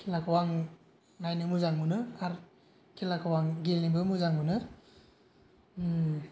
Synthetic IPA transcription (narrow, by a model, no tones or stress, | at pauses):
kʰilakʰawaŋ | najnɯmuzaŋmunɯkʰaɾ | kʰilakʰawaŋɡelnibɯmuzaŋmunɯ